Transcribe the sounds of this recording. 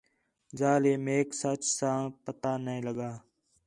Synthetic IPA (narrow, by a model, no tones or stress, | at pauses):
zaːleːmeːksət͡ʃsãːpət̪aːnəĩːləɠaː